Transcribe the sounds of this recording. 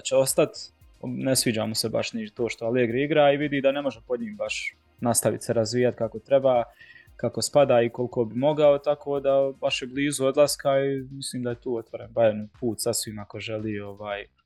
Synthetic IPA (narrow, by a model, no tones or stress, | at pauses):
t͡ʃeo̞st̪at̪ | nesʋiːd͡ʒa̰ːmoseba̰ʃnit̪oːʃt̪o̞aleːɡɾiiɡɾaːiʋid̪iːd̪ane̞mo̞ʒɛpo̞d̪ɲiːmbaʃ | nast̪aʋḭt̪seɾazʋiːjat̪kako̞t̪ɾebaː | kakospad̪aːiko̞lˠko̞bimo̞ɡao̞t̪akʰoːd̪abaʃjebliːzuo̞d̪lˠaskaimisliːmd̪ajet̪uːo̞t̪ʋo̞ɾenbajenpuːt̪sasʋimako̞ʒeliːo̞ʋaːj